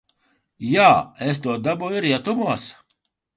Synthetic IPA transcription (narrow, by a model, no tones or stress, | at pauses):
jaːes̬t̪uɔd̪abujiɾjat̪umuɔs